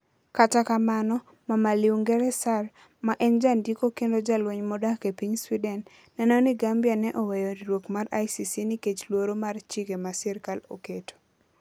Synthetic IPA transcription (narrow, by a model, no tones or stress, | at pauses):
katakamanɔ | mamaliwŋɡɛɾɛsar | maʔɛnd͡ʒandikokendod͡ʒalweɲmɔdakepiɲswidɛnː | ɛnɔnɪɡambjanɛʔɔwɛjoɾɾwokmara̰jsisiniket͡ʃlwoɾomart͡ʃikemasɛɾkalo̰keto̥